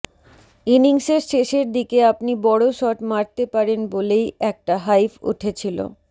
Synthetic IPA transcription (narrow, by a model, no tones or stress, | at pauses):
iniŋseɾʃeʃeɾd̪ikeapnibɔɽoʃɔʈmaɾt̪epaɾenbolejɛk̚ʈaɦajfṵʈʰet͡ɕʰilo̰